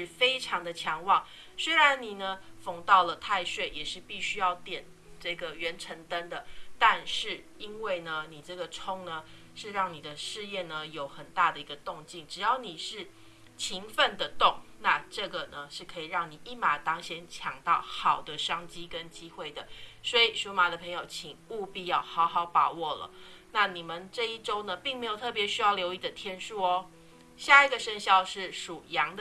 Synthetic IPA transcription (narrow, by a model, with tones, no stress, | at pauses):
ɻ̩˥˩fe˥ɪʈ͡ʂʰɑ˧˥ŋd̪ə˧t͡ɕʰjɑ˧˥ŋwɑ˨˩ŋ | swe˥ɪɻa˧˦nni˨˩nə˩fo˨˩ŋt̪ɑ˥˩ʊlə˩t̪ʰa˥˧ɪʂwe˥˩ɪjɛ˨˩ʂɻ̩˥˧pi˥˩ɕy˥jɑ˥˧ʊt̪jɛ˨˩n | ʈ͡ʂɤ˥˩ɡə˩ɥɛ˧˥nʈ͡ʂʰə˧˥ŋt̪a˦˥nd̪ə˨t̪a˥˧nʂɻ̩˥˩ | i˦nwe˥˩ɪnə˩ni˨˩ʈ͡ʂɤ˥˩ɡə˩ʈ͡ʂʰʊ˥ŋnə˧ | ʂɻ̩˥˧ɻɑ˥˩ŋni˨˩d̪ə˦ʂɻ̩˥˧jɛ˥˩nnə˩jo˨˩˦ʊxə˨˩nt̪a˥˩d̪ə˩i˧˥ɡə˧t̪ʊ˥˧ŋt͡ɕi˥˩ŋʈ͡ʂɻ̩˨˩jɑ˥˩ʊni˨˩ʂɻ̩˥˩ | t͡ɕʰi˧˥ŋfə˥˧nd̪ə˨t̪ʊ˥˩ŋna˥˧ʈ͡ʂɤ˥˩ɡə˩nə˩ʂɻ̩˥˩kʰɤ˧˥i˨˩ɻɑ˥˩ŋni˨˩ʔi˥˩ma˨˩t̪ɑ˥ŋɕjɛ˧˥nt͡ɕʰjɑ˨˩ŋt̪ɑ˥˩ʊxɑ˨˩ʊd̪ə˦ʂɑ˥ŋt͡ɕi˥kə˦nt͡ɕi˥xwe˥˩ɪd̪ə˩swɔ˧˥i˨˩ʂu˧˥ma˨˩d̪ə˨pʰɤ˧˥ŋjo˨˧˩ʊt͡ɕʰi˨˩ŋu˥˩pi˥˧jɑ˥˩ʊxɑ˧˥ʊxɑ˨˧˥ʊpɑ˨˩wɔ˥˩lə̰˩na˥˩ni˨˩mə˦nʈ͡ʂɤ˥˧i˥˩ʈ͡ʂo˥ʊnə˨pi˥˩ŋme˧˥jo˨˩t̪ʰɤ˥˩p̬jɛ˧˥ɕy˥jɑ˥˩ʊljo˧˥ʊi˥˩d̪ə˨t̪ʰjɛ˥nʂu˥˧ɔ˦ | ɕja˥i˧˥ɡə˨ʂə˥˧ŋɕjɑ˥ʊʂɻ̩˥˩ʂu˨˩jɑ˧˥ŋd̪